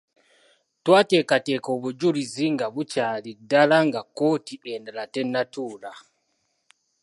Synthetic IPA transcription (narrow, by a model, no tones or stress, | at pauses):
twaːte̞ːkate̞ːko̞ːβuɟuliziŋɡaβucaːlidːalaŋɡako̞ːtiendalate̞nːatuːla